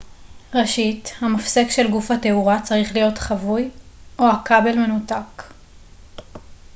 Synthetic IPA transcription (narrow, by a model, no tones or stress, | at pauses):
ʁeʃithamafsekʃe̞lɡufhate̞uʁat͡saʁiχlijo̞tχavujʔohakabe̞lme̞nutak